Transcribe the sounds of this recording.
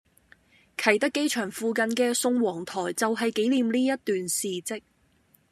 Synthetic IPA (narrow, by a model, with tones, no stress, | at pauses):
kʰɐ˨˩jt̪ɐ˥kːe˥jt͡ʃʰœː˨˩ŋfuː˨˧kɐ˨nkɛː˧sʊ˧ŋwɔː˨˩ŋt̪ʰɔː˨˩jt͡sɐ˨wɦɐ˨jke˨˥jliː˨mliː˥jɐ˥t̚t̪yː˨nsiː˨t͡sɪ˥k̚